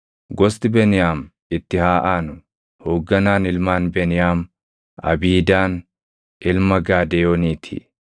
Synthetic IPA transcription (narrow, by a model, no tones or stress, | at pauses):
ɡɔst̪ɪbɛnɪjaːm | ɪt̪ːɪhaːʔaːnʊ | hoːɡːɐnaːnɪlmaːnbɛnɪjaːm | ɐ̰biːd̪aːn | ʔɪlmɐɡaːd̪ɛjoːniːt̪ʰḭː